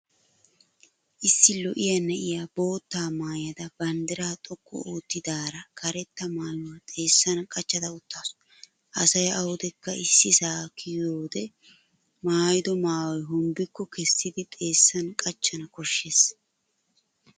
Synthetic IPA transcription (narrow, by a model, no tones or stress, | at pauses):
ʔɪsːɪlɔʔɪjɐnɛʔɪjabo̞ːt̪ːaːmaːjɐd̪ɐbɐnd̪ɛɾaːt̪ʼɔkʼːɔ̰oːt̪ːɪd̪aːɾɐkʰɐɾɛt̪ːɐmaːjʊwɐt̪ʼe̞ːsːɐnkʼɐt͡ʃːɐd̪ɐʊt̪ːaːs | ʔɐsɐjɐwɔd̪ɛkːɐɪsːɪsaːkːɪjoːd̪ɛ | maːjd̪ɔmaːwɔjɦʊmbɪkːɔkɛsːɪd̪ɪt̪ʼe̞ːsːɐnkʼɐt͡ʃːɐnɐkɔʃːe̞ːs